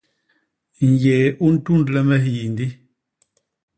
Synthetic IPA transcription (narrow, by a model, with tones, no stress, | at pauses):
ŋ˨je˨ʔu˦n̩˦tu˦ndlɛ˦mɛ˦hji˨n˨di˦